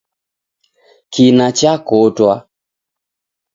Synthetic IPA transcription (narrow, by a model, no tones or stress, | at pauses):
kinat͡ʃakotwa